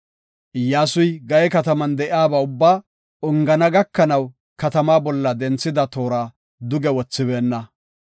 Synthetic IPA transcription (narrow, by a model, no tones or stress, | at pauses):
ʔɪjːaːsʊjɡɐjɛkɐt̪ɐmɐnd̪ɛʔɪaːbɐʊbːaː | ʊŋɡɐnɐɡɐkːɐnɐw | kɐt̪ɐmaːbɔlːɐd̪ɛnt͡sːɪd̪ɐt̪o̞ːɾaː | d̪ʊɡɛwɔt͡sːɪβe̞ːnːɐ